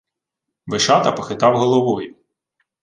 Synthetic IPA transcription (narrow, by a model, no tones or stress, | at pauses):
ʋeʃɑt̪ɐpɔxɪt̪ɑwɦɔlˠɔʋɔjʊ